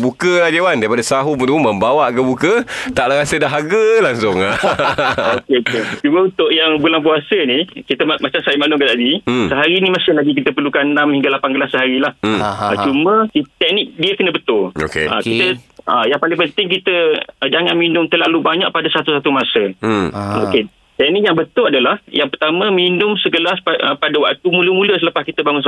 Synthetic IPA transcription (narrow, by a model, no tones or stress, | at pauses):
bukəlahd͡ʒewandaɾipadasaɦupənt̪umuməmbawaʔkəbukət̪aʔlaɾasədaɦaɡəlaŋsʊŋa | okeoket͡ʃuməunt̪ʊʔjaŋbulaŋpuasənikit̪əmmat͡ʃamsaimanʊŋkat̪adisəɦaɾinimasɪhlaɡik̬it̪əpərlukannːamhiŋɡalapanɡəlasːəɦaɾilah̩ət͡ʃumə̃kit̪ɛʔ̚nɪk̚diəkənəbət̪ʊlo̰kḛə̰kit̪əəjaŋpalɪŋpənt̪ɪŋkit̪əəd͡ʒaŋanminʊmt̪ərlalubaɲa̰ʔpadasat̪usat̪umasə | oke | t̪ɛʔ̚nɪʔkjaŋbət̪ʊladalahjaŋpərt̪amə̃minʊmsəɡəlasəpadəwa̰k̚t̪umuləmũləsələpaskit̪əbaŋʊns